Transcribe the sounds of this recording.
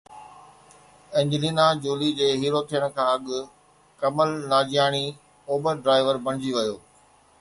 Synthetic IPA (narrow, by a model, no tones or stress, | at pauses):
ɪ̃ːɲd͡ʑɪliːnad͡ʑoːlid͡ʑeːɦiːɾot̪ʰijəɽ̃kʰãːɐɠʊ | kɐməlnaːd͡ʑijaːɽ̃i | oːbəɾɖɾaːɪʋəɾbɐ̃ɽ̃ɪd͡ʑiʋɐjoː